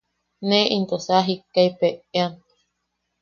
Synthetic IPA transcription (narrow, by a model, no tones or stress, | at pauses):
nẽʔint̪osaɦikːaipeeant̪